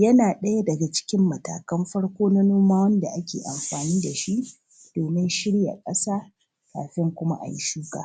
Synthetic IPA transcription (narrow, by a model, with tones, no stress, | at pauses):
jɐ˦naː˨ɗɐ˦ja˦dɐ˨ɡa˨t͡ʃɪ̥˦kʲɪ˦mːɐ˨ta̰ː˨kɐ˦mɸɐ˦ɽkʷoː˦na˦noː˦maː˦wɐ˦nda˨ʔa˦kʲḛː˨ʔa̰˨mɸaː˨niː˦da˨ʃi˦ʔ | d̥oː˨mɪ˦nʃɪ˦ɽja̰˨kʼɐ˦saː˦ | ka̰ː˨ɸɪ˦ŋkʷʊ˦ma̰˦ʔa̰˨ji˦ʃuː˦ka̰ː˨